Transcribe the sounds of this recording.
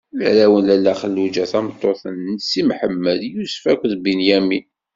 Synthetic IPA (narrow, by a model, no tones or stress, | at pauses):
lɾæwənlælːæχəlːud͡ʒæθæmət̪ˤːoθənsimħəmːəd̪jusfækʷːðbinjæmi